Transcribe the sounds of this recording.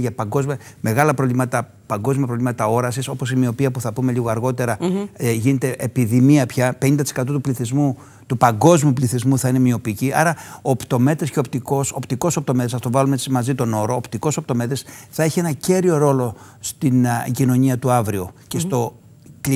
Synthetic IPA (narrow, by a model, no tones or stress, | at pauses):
ʝɐpɐŋɡo̞zmiɐ | me̞ɣɐlɐpɾovlimɐt̪ɐ | pɐŋɡo̞zmiɐpɾo̞vlimɐt̪ɐo̞ɾɐsiso̞po̞simio̞piɐpuθɐpume̞liɣoɐɾɣo̞t̪e̞ɾɐʝine̞t̪e̞ʔepiðimiɐpçɐpe̞ɲind̪ɐt̪isekɐt̪ot̪upliθizmu | t̪upɐŋɡo̞zmiupliθizmuθɐine̞mio̞piciɐ̰ɾɐoːpt̪o̞me̞t̪esce̞o̞pt̪iko̞sopt̪iko̞sop̚t̪o̞me̞t̪esɐft̪ovɐlumesimɐzit̪o̞no̞ɾoːpt̪iko̞so̞p̚t̪o̞me̞t̪e̞sθɐe̞çie̞nɐce̞ɾio̞ɾo̞lo̞ | st̪inɟino̞ɲiɐt̪uɐvɾioce̞st̪o̞ | k